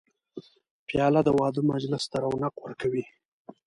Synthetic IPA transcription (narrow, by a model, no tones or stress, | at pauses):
pjɑlad̪əwɑd̪umad͡ʒlɪst̪aɾawnaqwəɾkawi